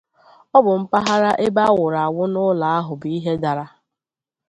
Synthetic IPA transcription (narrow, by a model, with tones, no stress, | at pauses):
ɔ˦bʊ˨m̩˦pa˦ɦa˦ɾa˦ʔe˦ba˦wʊ˨ɾa˨a˨wʊ˦nʊ˦la˨a˦ɦʊ˨bi˦ɦe˦da˨ɾa˦